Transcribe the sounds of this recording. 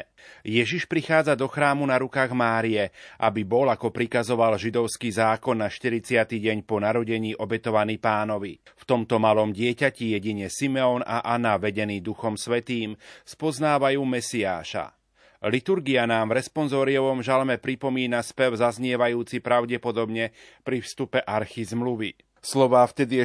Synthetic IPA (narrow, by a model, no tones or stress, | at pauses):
jɛʒiʃpɾixaːd͡zad̪ɔxɾaːmunaɾukaːɣmaːɾiɛʔabibɔlakɔpɾikazɔʋalʒid̪ɔʊskiːzaːkɔnːaʃt̪iɾit͡sɪat̪iːɟɛɲpɔnaɾɔɟɛɲiːʔɔbɛt̪ɔʋaniːpaːnɔʋift̪ɔmt̪ɔmalɔmɟɪɛcacijɛɟiɲɛsimɛɔnaʔanaʋɛɟɛniːd̪uxɔmsʋɛt̪iːmspɔznaːʋajuːmɛsiaːʃa̰ | lit̪uɾɡianaːmvɾɛspɔnzɔːɾiɔʋɔmʒalmɛpɾipɔmiːnaspɛʊzazɲɪɛʋajuːt͡sipɾaʊɟɛpɔd̪ɔbɲɛpɾifst̪upɛʔaɾxizmluʋḭ | slɔʋaːft̪ɛd̪i